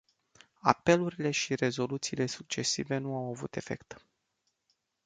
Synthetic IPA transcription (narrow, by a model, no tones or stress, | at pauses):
a̰pe̞luɾile̞ʃire̞zo̞lut̪siːle̞suk̚t͡ʃe̞sive̞nuawavṵt̪e̞fe̞̰kt̪